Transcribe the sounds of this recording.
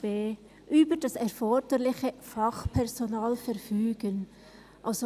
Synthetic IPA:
eː | ʔyːbəd̥ɑsɛʁfɔɾd̥əlɪçəfɑχpʰɛʁzonaːlfɛɾfyːɡ̥ən | ʔalso

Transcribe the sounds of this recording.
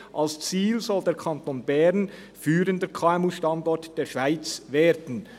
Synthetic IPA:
ʔalst͡siːlzɔldeːɾkʰɑnt̪oːnbɛɾn | fyːɾəndəkʰaːɛmuʃtɑndɔtd̥eːʃv̥aɪt͡sveːɾdn̩

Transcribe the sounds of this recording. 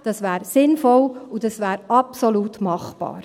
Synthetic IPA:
d̥ɑsʋæːɾsɪnfɔlud̥ɑsʋæːɾɑpsoɔlut̪mɑχb̥ɑ̰ːɾ

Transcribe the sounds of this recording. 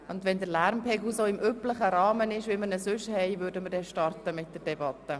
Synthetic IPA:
ʊndʋɛndəɾlæɾmpʰɛɡl̩soːɪmøpləχəɾɑːmənɪʃʋɪməɾnəsʏʃhɛɪʋøːɾdəməɾdɛʃtɑrtəmɪt̚d̥əɾd̥ɛbɑtːə

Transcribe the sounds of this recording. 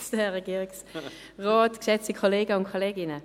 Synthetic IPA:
sd̥ɛʁeɡiːʁɪks | ʁɔːtkʃɛt͡stikʰoleːɡəʊnkʰoleːɡɪnə

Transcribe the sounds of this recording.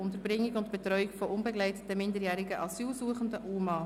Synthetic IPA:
ʊntəɾbɾɪŋːɪkʊntb̥ɛt̪ɾɔʏɪkfɔʔʊnbɛɡlɛɪtə̥təmɪndəɾjæːɾɪɡəʔɑsyːlsuəχəndəʔumɑː

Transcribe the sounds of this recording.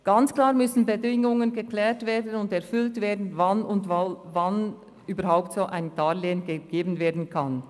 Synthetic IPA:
ɡ̥ant͡sklaːʁmʏsn̩bədɪŋʊŋənɡəklɛːtveːdn̩ʊndɛɐfʏltveːɐdn̩vanʊndvvan | yːbəɾɦaʊp̚tsoːʔaɪntaːleːənɡəɡ̥eːbn̩veːɐdn̩kʰan

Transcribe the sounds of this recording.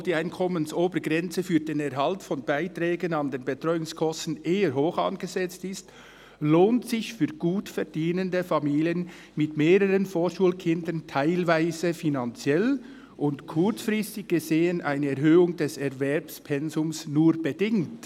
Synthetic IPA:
d̥iːaɪnkʰɔmənsoːbəɾɡʁɛnt͡səfyːdeːnɛɐɦɑltfɔnbaɪtʁɛːɡənɑndeːnbətʁ̥ɔʏʊŋskʰɔstn̩ʔeːəɾɦoːxɑ̰nɡ̥əzɛt͡stɪst | loːntsɪçfyːɾɡ̥uːtfɛɐdiːnəndəfɑmiːliən | mɪtmeːɾəʁənfoːʃuːlkʰɪndəntʰaɪlvaɪzəfinɑnt͡sjɛl | ʔʊntkʰʊɾt͡sfrɪstɪɡ̚ɡ̥əzeːənʔaɪnəɛɾhøːʊŋdɛsɛɐvɛɾpspʰɛnzʊmsnuːɾbədɪŋt

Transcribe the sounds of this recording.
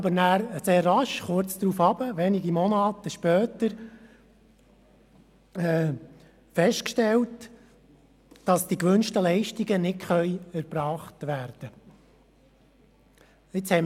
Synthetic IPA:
bəɾnæːɾseːrːɑʃχʊt͡sd̪̥ɾuːfɑb̥əʋɛniɡimɔnɑːt̪əʃpœːtəɾ | ɛː | fɛʃtkʃtɛlt | d̥ɑsd̥ikʋʏnʃtəlɛɪʃtiɡənɪtχœjæɾb̥ɾɑːχtʋæːɾd̥ə | ɪt͡shɛɪ

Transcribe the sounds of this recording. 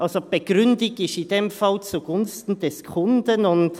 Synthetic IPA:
ʔalsob̥əɡ̥ʁʏndɪɡɪʃɪdemfalt͡suɡ̥ʊnstn̩dɛskʰʊndənʊnt

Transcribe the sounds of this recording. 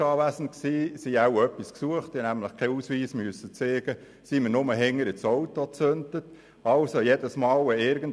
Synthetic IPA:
ɑːʋæsən̩t̚ksiːsiawœpːisksuəχt̪inæmləχkʰɛusʋiːsməsːət͡seːɡ̥ə | siməɾnʊməɦɛŋːəɾɪt͡sɔwtot͡søntət | ɑlsojed̥əsmɑːləɪɾɡən̩

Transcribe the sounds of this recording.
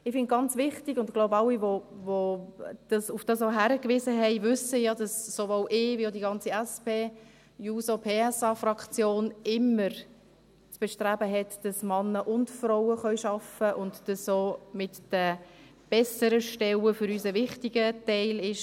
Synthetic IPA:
ɪfɪnt̚ɡ̥ɑnt͡svɪχtiɡʊntɡ̥loʊbɑlːivovod̥ɑsufd̥ɑsoɦæɾəkʋɪzəɦɛɪvʏsəjɑdɑsːovoːlʔɪːʋiodiɡɑnt͡siæspeː | juːsopʰeːɛsɑːfrɑkt͡sjoːnɪmːəɾ | t͡sb̥ɛʃtræbəɦɛtd̥ɑsmɑnːəʔʊntfrɔʊəχœʏʃɑfəʔʊndd̥ɑsoːmɪtd̥ə | b̥ɛsəɾəʃtɛwəfʏɾyːsəvɪχtiɡətɛɪlɪʃ

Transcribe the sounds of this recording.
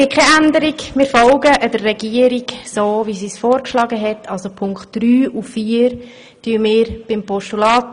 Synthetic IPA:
ɡɪt̚kʰɛændəɾɪɡmɪːɾfɔlɡəʔədərːɛɡiəɾiɡsoːvisiːsfoːɾkʃlɑːɡəɦɛtːʰɑlsopʰʊŋkχtd̥ryːuffiːəɾ | d̥yəmɪːɾb̥ɪmpʰɔʃtulɑːt

